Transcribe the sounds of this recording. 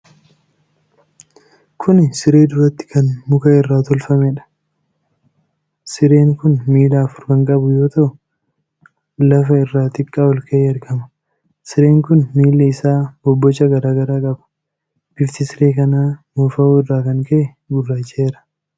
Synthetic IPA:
kʰʊnɪsɪɾe̞ːd̪ʊɾɐt̪ːɪ̥kʰɐnmʊkɐɪrːaːt̪ɔlfɐmɛᶑɐ̥ | sɪɾe̞ːŋkʊnmiːlaːfʊɾkɐŋkʼɐbʊjo̞ːt̪ɐʔʊ | lɐfɐɪrːaːt̪ɪkʼːaːwɔlkɐʔeːɐɾɡɐmɐ | sɪɾe̞ːŋkʊnmiːlːɐɪsaːbɔbːɔt͡ʃːɐɡɐɾaːɡɐɾaːkʼɐbɐ̥ | b̥ɪft̪ɪsɪɾe̞ːkɐnaːmuːfɐuːɪrːaːkɐŋkɐʔɛ | ɡʊrːaːt͡ʃːeːɾɐ̥

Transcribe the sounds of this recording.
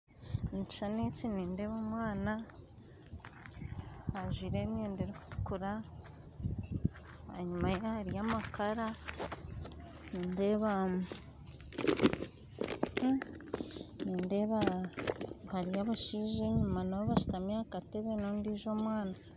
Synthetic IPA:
nt͡ʃi̥ʃanet͡siniːnde̞ːβomwaːna | haʒwiːɾe̞mjeːndeɾeku̥tu̥kuɾa | a̰ɲumahaɾijamakaɾa | niːnde̞βam | niːndeβa | haɾijaβaʃiːʒe̞ɲumanaβoβaʃu̥tamɲaːkate̞βenondiːʒo̞ːmwaːna

